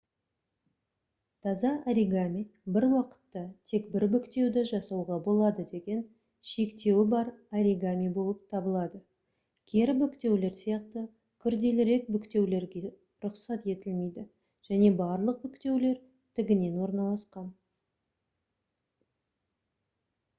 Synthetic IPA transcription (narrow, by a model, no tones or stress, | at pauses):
t̪ʰɑzɑʔaɾiɡamʲijbɪɾwɑqə̥t̪ːɑt̪ʰe̞kbɪɾbʏkt̪e̞wd̪eʒɑsɑwʁɑbo̞lˠɑd̪əd̪e̞ɡʲe̞n | ʃe̞kt̪e̞wɪbɑɾaɾʲiɡamʲijbo̞lˠəp̚t̪ʰɑbəlˠɑd̪ə | kʲʰe̞ɾbʏkt̪e̞wle̞ɾsijɑqt̪ə | kʲʰʏɾd̪e̞lɪɾe̞k̚bʏkt̪e̞wle̞ɾɡʲe̞ | ɾʊqsɑt̪e̞t̪ɪlme̞jd̪ɪ | ʒ̥æne̞bɑɾlˠəq̚bʏkt̪e̞wle̞ɾ | t̪ʰɪɡʲɪne̞nwo̞ɾnɑlˠɑsqɑn